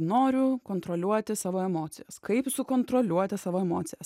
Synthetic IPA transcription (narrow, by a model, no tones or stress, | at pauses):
noːɾʲʊkoːnt̪ɾoːlʲuɔt̪ʲɪsɑːʋoːɛmoːt̪sʲɪjɛskɐɪpsʊkont̪ɾolʲuɔt̪ʲɪsɑːʋoːɛmoːt̪sʲɪjɛs